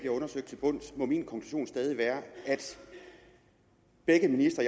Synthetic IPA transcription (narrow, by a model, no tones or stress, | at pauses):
b̥liɐɔ̽nɐsøɡ̥d̥t͡sʰelb̥ɔ̽n̰smɒ̽minkʰɒ̽ŋkʰl̥uɕo̝̰ːnsd̥ɛːð̞ˠiʋæːɐæd̥ | b̥eɡ̥əminisd̥ɐi